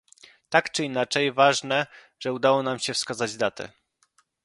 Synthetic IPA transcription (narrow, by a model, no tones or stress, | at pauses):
t̪akt͡ʂɘinat͡ʂɛjvaʐnɛ | ʐɛud̪awɔnamɕɛfskazad͡ʑd̪at̪ɛ̰